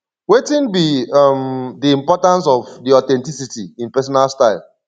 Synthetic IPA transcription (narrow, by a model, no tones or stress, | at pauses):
wetĩnbimdiĩmpɔtãns̬ɔvdiɔtɛ̃ntisitiĩnpɛs̬ɔnalstaɪlˠ